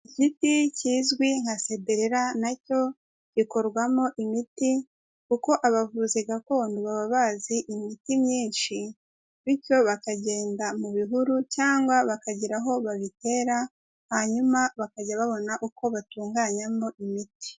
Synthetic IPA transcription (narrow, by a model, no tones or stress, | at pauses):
iciticiːzɡwiŋ̥hase̞beɾeɾanaco̞ | ɟ̥iko̞ɾɡwamo̞ʔimiti | kuko̞ʔaβavuziɡakoːnduβaβaβaziʔimitimɲiːnʃi | βico̞βakaɟe̞ːndamuβiɦuɾucaːŋɡwaβakaɟiɾaɦo̞βaβite̞ːɾa | haɲumaβakaɟaβaβo̞naʔuko̞βatuːŋɡaːɲamoʔimiti̥